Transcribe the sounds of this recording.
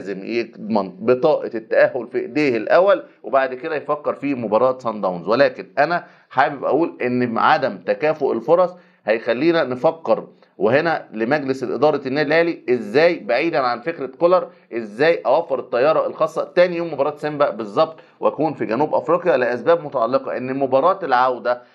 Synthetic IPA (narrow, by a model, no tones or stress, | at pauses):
læːzemjeɡd̪mɑnbet̪ˤɑːʔɑt̪ːæʔæhːolfiʔd̪eːhelʔæwːælwebaʕd̪ked̪æjfækːeɾˤfiːmobɑɾˤɑːt̪sɑnd̪æwnzwelæːkenʔænæ | ħaːbebʔæ̰ʔuːlʔenːʕad̪æmt̪ækæːfoʔelfoɾˤɑsˤ | hæjxælːiːnænefɑkːeɾ | wehenælemæɡlesʔḛd̪ˤɑːɾˤɑnːæːd̪ilʔeːliʔezːæːjbaʕiːd̪ænʕanfekɾekolɑɾˤ | ʔezːæːjʔæwæfːeɾet̪ˤːɑjːɑːɾˤɑelxɑːsˤːɑt̪ːæːnijoːmːobɑɾˤɑːt̪sembæʔbezˤːɑb̚t̪ˤ | weʔækuːnfiɡænuːbʔɑfɾiːqjɑleʔæsbæːbmot̪ɑʕɑlːeqɑʔenːemobɑːɾˤɑːt̪elʕawd̪æ